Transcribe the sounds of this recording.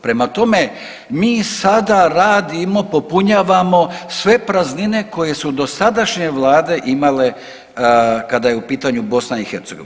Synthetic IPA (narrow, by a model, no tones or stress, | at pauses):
pɾe̞mat̪o̞me̞ | miːsad̪aɾaːd̪imo̞po̞puɲaːʋamo̞sʋe̞pɾaznine̞ko̞je̞sud̪o̞sad̪aʃɲe̞ʋlˠaːd̪e̞ʔimale̞ | kad̪ajeupiːt̪aɲubo̞snaixe̞ɾt̪seɡoʋi